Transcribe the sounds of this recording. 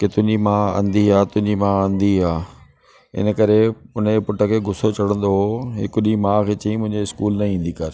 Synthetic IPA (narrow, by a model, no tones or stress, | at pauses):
kɪt̪ʊɪ̃ɲd͡ʑimãːɐ̰̃nd̪iaːt̪ʊ̃ɦɪ̃ɲd͡ʑimãːɐ̃nd̪iaː | ɪ̰nəkɐɾeʊnpʊʈʰəkʰeːɡʱʊsot͡ɕɐɽ̤ə̃nd̪oɦoɦɪkʊɗimãːkʰeːt͡ɕɐĩmʊ̃ɦɪ̃ɲd͡ʑeɪskuːlnɐĩːn̆d̪ikɐɾ